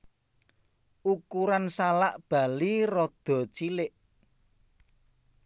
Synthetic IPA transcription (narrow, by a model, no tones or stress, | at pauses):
ʔukuɾansalaʔb̥a̤lirɔd̪̥ɔ̤t͡ʃilɪʔ